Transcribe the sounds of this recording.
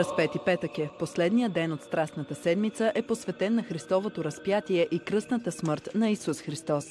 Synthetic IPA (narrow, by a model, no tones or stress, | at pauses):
ɐspɛt̪ipɛt̪əkɛposlɛd̪nijəd̪ɛnot̪st̪ɾasnət̪əsɛd̪mit̪səʔɛposvɛt̪ɛnːɐxɾist̪ɔvot̪oɾɐspjat̪iɛʔikɾɤsnət̪əsməɾt̪nɐisusxɾist̪ɔs